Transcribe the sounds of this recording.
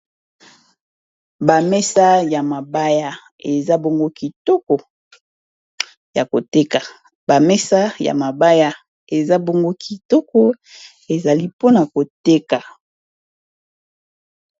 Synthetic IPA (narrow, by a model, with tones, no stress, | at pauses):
ba˨mɛ˦sa˦ja˨ma˨ba˦ja˦ | e˨za˦bo˦ŋɡo˦ki˨tɔ˦kɔ˨ | ja˨ko˨te˦ka˨ | b̥a˨mɛ˦sa˦ja̰˨ma˨ba˦ja˦ | e˨za˦bo˦ŋɡo˦kʰi˨tɔ˦kɔ˦ | e˨za˨li˦po˦na˨ko˨te˦ka˨